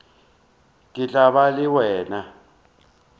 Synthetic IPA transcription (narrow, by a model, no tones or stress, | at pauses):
kʼit͡ɬʼaɓaliwɛːna